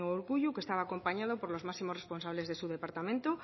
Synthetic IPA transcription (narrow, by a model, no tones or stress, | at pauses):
oːɾɣuʎukest̪aβaːko̞mpaɲað̞opo̞ɾlozmaksimosrespo̞ns̬aβle̞zðe̞suðe̞paɾt̪amẽnt̪o